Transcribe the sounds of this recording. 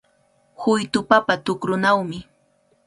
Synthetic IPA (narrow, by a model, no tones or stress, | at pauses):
hʊjt̪ʊpapat̪ʊkɾʊnawmɪ